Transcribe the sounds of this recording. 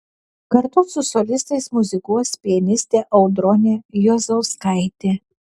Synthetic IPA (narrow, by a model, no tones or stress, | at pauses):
kɐɾt̪ʊsʊsɔlʲɪst̪ɐɪsmʊzʲɪkuɔsʲpʲiɛnʲɪsʲt̪ʲeːʔɐʊd̪ɾɔnʲejɔzoʊskɐɪt̪ʲe